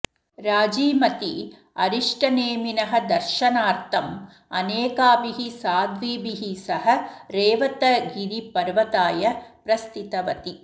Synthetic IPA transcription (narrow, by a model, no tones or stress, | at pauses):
ɾaːd͡ʒiːmɐt̪i | ɐ̰ɾiʂʈɐneːminɐɦɐ̆d̪ɐɾʃɐnaːɾt̪ʰɐm | ɐneːkaːbiɦisaːd̪ʋiːbiɦisɐɦɐ̆ɾeːʋɐt̪ɐɡiɾipɐɾʋɐt̪aːjɐpɾɐst̪it̪ɐʋɐt̪i